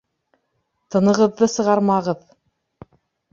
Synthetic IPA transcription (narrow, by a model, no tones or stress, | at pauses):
t̪ɤ̆nɤ̆ʁɤ̆ðːɤsɤ̆ʁɑɾmɑʁɤð